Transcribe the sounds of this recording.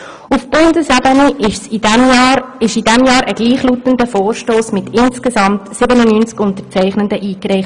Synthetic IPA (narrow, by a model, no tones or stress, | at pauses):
ufb̥ʊndəsɛbənəsimːɪʃidɛmjɑːɾʔəɡ̥liːχlutəndəfoːrʃtoːsmɪtɪnskezɑmtsɪbənunynt͡skʊntəɾt͡sæɪχnəndəʔiːkrɛɪχt